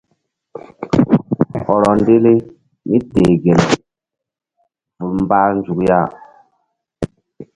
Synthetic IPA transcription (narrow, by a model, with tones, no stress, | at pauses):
hɔ˨ɾɔ˨nde˦le˦ | mi˦de˨ɡe˨l | vu˨ɾmbaː˦n˦d͡ʒu˨kja˦˨